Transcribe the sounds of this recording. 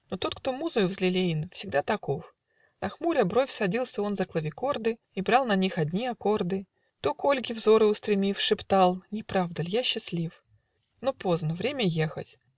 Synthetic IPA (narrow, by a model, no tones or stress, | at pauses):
not̪o̞t̪kt̪o̞muzɨjʊvzʲlʲɪlʲejɪnfsʲɪɡ̚d̪at̪ɐko̞f | nɐxmuɾʲəbɾo̞fʲsɐdʲilˠsʲəo̞nzəklˠəvʲɪko̞rd̪ɨ | ibɾɑlˠnɐnʲixɐd̪ʲnʲiɐko̞rd̪ɨ | t̪o̞kolʲɡʲɪvzo̞ɾɨʊst̪ɾʲɪmʲifʂɨpt̪alˠnʲɪpɾavd̪əlʲjaɕːɪslʲif | nopo̞znəvɾʲemʲəjexə̰tʲ